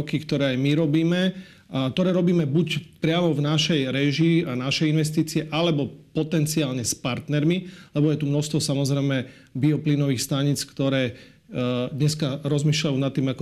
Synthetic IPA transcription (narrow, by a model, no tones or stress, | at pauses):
kikt̪ɔɾɛːajmiɾɔbiːmɛ | t̪ɔɾɛːɾɔbiːmɛbucpɾɪamɔvnaʃɛjɾɛʒianaʃɛjinʋɛs̬t̪iːt͡siɛʔalɛbɔpɔt̪ɛnt͡siaːlɲɛspaɾt̪nɛɾmilɛbɔjɛt̪umnɔst̪ʋɔsamɔzɾɛjmɛ | biɔpliːnɔʋiːxst̪aɲit͡skt̪ɔɾɛː | d̪ɲɛskaɾɔzmiːʃʎajuːnat̪ːiːmakɔ